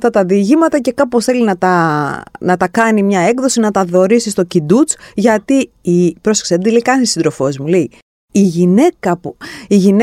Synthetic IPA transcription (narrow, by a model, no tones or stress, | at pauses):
ft̪ɐt̪ɐðiʝimɐt̪ɐce̞kɐposθe̞linɐt̪ɐ | nɐt̪ɐkɐnimɲɐe̞kðo̞sinɐt̪ɐðo̞ɾisist̪o̞cid̪ut͡sʝɐt̪iipɾoseksed̪ileikɐnsisind̪ɾo̞fo̞zmulei | iʝine̞kɐpuiʝin